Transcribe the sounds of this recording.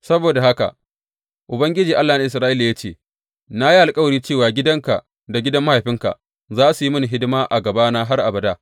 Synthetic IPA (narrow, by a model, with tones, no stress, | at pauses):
sɐ˦boː˨da˨ɦa˦ka̰˨ʔ | ʔʊ˨bɐ˦ŋɡʲɪ˦d͡ʒiː˨ʔa˦lːaː˨na˨ʔɪ˨s̬ɾaː˦ʔɪ˦laː˨ja˦t͡ʃeː˦˨ | na˦ji˦ʔa˨lkʼɐ˦wɐ˨ɽiː˦t͡ʃeː˦˨waː˨ɡʲɪ˦dɐ˦ŋka̰˨ʔ | da˨ɡʲɪ˦dɐ˦mːa˦ha˨jɸɪ˦ŋka̰˨ʔ | zaː˦su˨ji˦mʊ˦ni˨ɦɪ˦dɪ˦maː˦ʔa˨ɡɐ˨baː˦naː˦ɦa˦rʔa˨bɐ˨daː˦